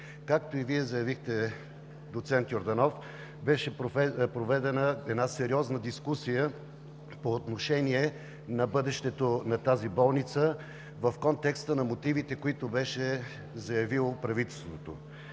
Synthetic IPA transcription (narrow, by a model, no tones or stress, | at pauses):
kak̚t̪oiviɛzɐjɐvixt̪ɛ | d̪ot̪sɛnt̪joɾd̪ɐnɔf | bɛʃɛpɾovɛd̪ɛnəɛd̪nasɛɾiɔznəd̪iskusijə | poːt̪noʃɛniɛ | nɐbɤd̪ɛʃt̪ɛt̪onɐt̪azibɔlˠnit̪sə | vəfkɔnt̪ɛkst̪ənɐmot̪ivit̪ɛkoit̪obɛʃɛ | zɐjɐvilˠopɾɐvit̪ɛlˠst̪vot̪o̰